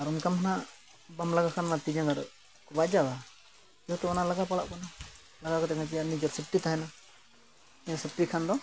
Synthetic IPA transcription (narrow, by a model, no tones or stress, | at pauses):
aɾunkamhana | bamlaɡakʰanmat̪id͡ʒaŋɡaɾ | kɔbac̚d͡ʒaba | iɔt̪ɛɔnalaɡapala̰ʔkɔna | laɡakɔt̪ɛkʰat̬ijaʔnid͡ʒɔɾsip̚ʈit̪aɦɛna | ijasip̚ʈikʰand̪ɔ